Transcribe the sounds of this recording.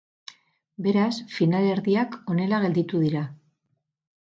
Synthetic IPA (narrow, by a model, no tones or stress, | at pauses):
be̞ɾasfinaleɾðiako̞ne̞laɣ̞e̞ld̪it̪uðiɾa